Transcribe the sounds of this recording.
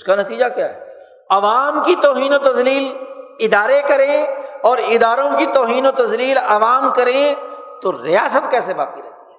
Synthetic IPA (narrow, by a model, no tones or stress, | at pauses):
ʊskanɐt̪iːd͡ʒakjaːɦɛː | ɐʋaːmkit̪ɔːɦiːnot̪ɐzliːlɪd̪aːɾekɐɾẽɔːɾɪd̪aːɾõkit̪ɔːɦiːnot̪ɐzliːlɐʋaːmkɐɾẽ | t̪oɾɪjaːsət̪kɛːseba̰ːkt̪iɾɛ̰t̪iɦɛː